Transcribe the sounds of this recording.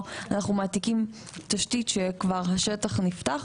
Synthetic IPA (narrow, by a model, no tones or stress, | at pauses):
anaχnumaːtikim | taʃtitʃekvaʁɦaʃetaχniftaχ